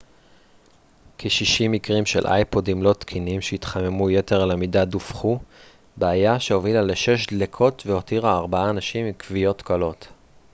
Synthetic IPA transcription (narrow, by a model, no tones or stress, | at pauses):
kʰeʃiʃimikʁimʃe̞̰lʔa̰jpo̞dimlo̞t̪kʰinimʃeit̪χame̞mujete̞ʁlamidadufχu | beajaʃeo̞vilaleʃe̞ʃ̬d̪lekʰo̞tveo̞tiʁaːʁbaaːnaʃimikvijo̞t̪kalo̞t